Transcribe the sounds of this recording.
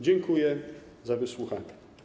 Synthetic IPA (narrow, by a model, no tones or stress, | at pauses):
d͡ʑɛŋkujɛ | zavɘswuxaɲɛ